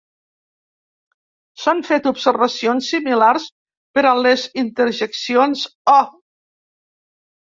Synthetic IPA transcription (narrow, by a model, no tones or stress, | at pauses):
saɱfet̪upsəɾβəsionsːimilars | pəɾalezint̪əɾʒeksionsɔ